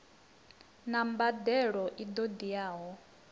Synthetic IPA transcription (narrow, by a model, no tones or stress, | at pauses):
nambad̪ɛɺɔʔid̪od̪ijaːɦɔ